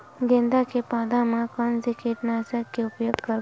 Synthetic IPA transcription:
ɡẽnd̪akepaːd̪amãkɔnzɪkeʈnaːt͡ʃəkkeʊpjoːɡkɐɾ

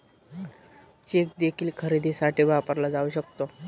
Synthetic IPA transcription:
t͡ɕek̚d̪ekʰiːlkʰəɾid̪ʱiːsaʈʰiːʋapəɾlad͡zauɕək̚t̪o

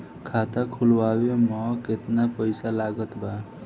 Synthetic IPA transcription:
kʰat̪akʰulwawemɔket̪napəjsalaɡət̪ba

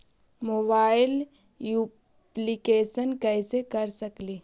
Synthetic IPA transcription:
moːbaːɪl | ju | plikeːʃənkɛːsekɐɾsəkliː

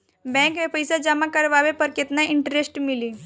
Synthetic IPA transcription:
bɛ̃ŋkmẽpəjsad͡ʒəmakəɾʋaʋepəɾkɪt̪naʔɪɳʈɾesʈmiliː

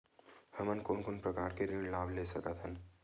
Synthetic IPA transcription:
həmənkoːnkoːnpɾəkaːɾkeɾiɳlaːblesəkət̪ɦən

